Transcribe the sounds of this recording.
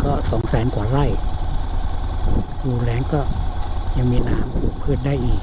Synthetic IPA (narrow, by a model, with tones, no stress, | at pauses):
kɔː˥˩sɔː˩˦ŋsɛː˨˦nkwaː˨˩ɾa˥˩j | duː˧˩lɛː˨˦ŋkɔː˥˩ja˧˩ŋmiː˧naː˨˦m˧pʰɯː˥˩t̪̚daː˥˩jʔiː˨˩k̚